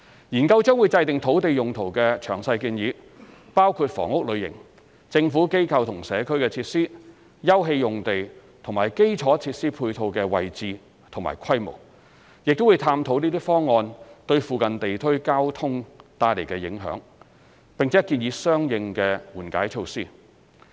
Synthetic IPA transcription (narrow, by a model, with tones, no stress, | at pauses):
jiː˨˩nkɐ˧wt͡ʃœː˥ŋwuː˨˧jt͡sɐ˧jt̪ɪ˨ŋt̪ʰo˨˥wt̪e˨jʊ˨ŋt̪ʰo˨˩wkɛː˧t͡ʃʰœː˨˩ŋsɐ˧jkiː˧njiː˨˥ | paː˥wkʰuː˧t̚fɔ̰ː˨˩ŋʊ˥k̚lɵ˨˧ɥjɪ̰˨˩ŋ | t͡sɪ˧ŋfuː˨˥ke˥jkʰɐ˧wt̪ʰʊ˨˩ŋsɛː˨˧kʰɵ˥ɥkɛː˧t͡sʰiː˧t̚siː˥ | jɐ˥wɦe˧jjʊ˨ŋt̪e˨j | t̪ʰʊ˨˩ŋmaː˨˩jke˥jt͡ʃʰɔː˨˥t͡sʰiː˧t̚siː˥pʰuː˧jt̪ʰo˧wkɛː˧wɐ˨jt͡siː˨˧ | t̪ʰʊ˨˩ŋma̰ː˨˩jkʰɐ˥jmo̰˨˩w | jɪ˨k̚t̪o˥wu˨˧jt̪ʰaː˧mt̪ʰo˨˥wniː˥t̪iː˥fɔː˥ŋːɔː˧nt̪ɵ˧ɥfuː˨kɐ˨nt̪e˨jt̪ʰɵ˥ɥkaː˥wt̪ʰʊ˥ŋt̪aː˧jle˨˩jkɛː˧jɪ˨˧˥ŋɦœ̰ː˨˥ŋ | pɪ˨ŋt͡sʰɛː˨˥ki˧njiː˨˧˥sœː˥ŋjɪ˧ŋkɛː˧wuː˨˩nka̰ː˨˥jt͡ʃʰo˧wsiː˥